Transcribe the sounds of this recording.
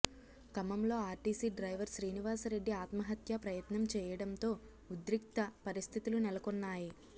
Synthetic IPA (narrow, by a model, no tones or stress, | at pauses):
kɐmɐmlo̞ːaːɾʈiːsiːɖɾɐjʋɐɾʃɾiːniʋaːsɐɾe̞ɖːiaːt̪mɐɦɐt̪jɐpɾɐjɐt̪nɐmt͡ʃɛːjɐɽɐnt̪o̞ː | ud̪ɾik̚t̪ɐpɐɾist̪ʰit̪ulunɛlɐkonːaːji